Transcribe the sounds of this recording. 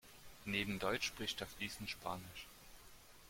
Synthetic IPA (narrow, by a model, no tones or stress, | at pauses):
neːbm̩dɔʏt͡ʃʃpʁ̥ɪçtafd̥iːsn̩ʃpʰaːnɪʃ